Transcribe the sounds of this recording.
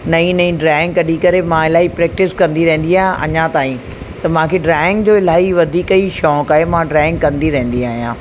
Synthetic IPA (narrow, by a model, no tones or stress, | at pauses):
nɐĩnɐĩɖɾaːɪ̃ŋɡkɐɗikɐɾemãɪlaːɦipɾɛːk̚ʈɪskɐ̃nd̪iɾɛ̃ɦɪ̃n̆d̪iaːɦjãʔɐ̰ɲãt̪aːĩ | t̪ɐmãkʰeɖɾaːɪ̃ŋɡd͡ʑoːɪlaːɦiʋɐd̪ʱiːkiʃɔːkaːɦemãɖɾaːɪ̃ŋɡkɐ̃nd̪iɾɐ̃ɦɪ̃n̆d̪iaːɦijãː